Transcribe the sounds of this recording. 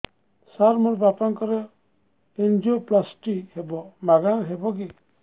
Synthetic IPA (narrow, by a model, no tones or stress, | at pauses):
saɾmɔɾbapaŋkɔɾɛ | end͡ʒoplasʈihɛbɔmaɡaŋɦɛbɔɡi